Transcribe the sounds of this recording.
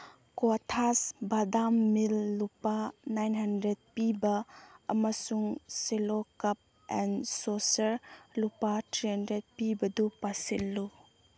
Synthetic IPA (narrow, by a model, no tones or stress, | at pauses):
kotʰasbadamːilːupanajnɦɐndɾed̚pibɐːmɐsuŋselokɐp̚ | ɛnsosɐɾlupatɾiɦandɾed̚pibɐdupasilːu